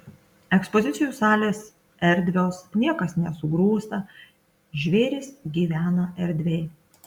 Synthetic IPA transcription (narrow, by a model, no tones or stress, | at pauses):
ɛkspɔzʲɪt̪sʲɪjuːˑsɑːlʲeːs | ɛɾʲd̪ʲʋʲoːsnʲiɛkɐsnʲɛsʊɡɾuːst̪ɐ | ʒʲʋʲeːɾʲɪsɡʲiːʋʲæːnɐɛɾʲd̪ʲʋʲeː